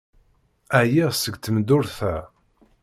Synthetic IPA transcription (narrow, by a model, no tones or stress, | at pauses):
æjæsəɡt̪əmd̪ʊɾθæ